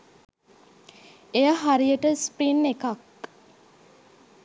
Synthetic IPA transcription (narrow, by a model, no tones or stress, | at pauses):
ejaɦaɾijəʈəspɾinːekak